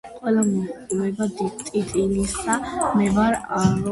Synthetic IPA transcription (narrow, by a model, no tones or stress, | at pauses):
qʼwɛlamɔulɛbad̪it̪ʼit̪ʼilisd̪amɛvaɾaɾɔ